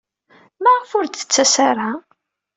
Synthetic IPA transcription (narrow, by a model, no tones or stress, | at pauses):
mæʁəfʊɾd̪θə̥t͡sːæsaɾa